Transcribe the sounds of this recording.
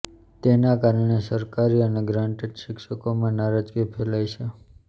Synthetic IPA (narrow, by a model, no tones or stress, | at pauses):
t̪enakaɾəɳesəɾkaɾiəneɡɾãɳʈeɖʃɪkʃəkomãnaɾad͡ʒkipʰelajt͡ʃʰe